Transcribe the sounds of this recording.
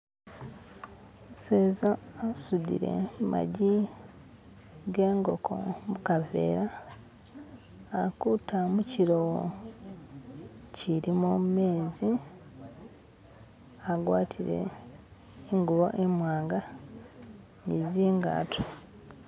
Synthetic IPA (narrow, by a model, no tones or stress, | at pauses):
seːzaasudḭɾe̞̰ma̰ɟi | ɡe̞ːŋɡo̞kʰo̞̰mukave̞̰ːɾa | kutamuciɾowo | ciɾimume̞ːzi | aɡwaːtʰiɾe̞̰ː | ŋɡuβo̞̰ʔemwaːŋɡa | niziːŋɡa̰ːtʰu